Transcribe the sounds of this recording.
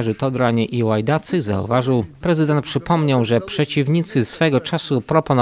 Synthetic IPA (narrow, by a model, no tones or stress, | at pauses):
ɛʐɘt̪ɔd̪ɾaɲɛʔiwajd̪at̪sɨza̰ṵvaʐɘwpɾɛzɘd̪ɛnt̪̚pʂɘpʰɔmɲɔ̃w̃ʐɛpʂɛt͡ɕivɲit̪sɘsfɛɡɔt͡ʂasupɾɔpɔnɔ